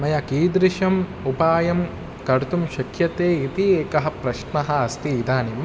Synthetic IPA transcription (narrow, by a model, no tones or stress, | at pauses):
mɐjɐkiːd̪ɾiʃɐmupaːjɐm | kɐɾt̪umʃɐkʰjɐt̪eːit̪ieːkɐɦɐ̆pɾɐʃnɐɦɐ̆ɐst̪iːd̪aːnim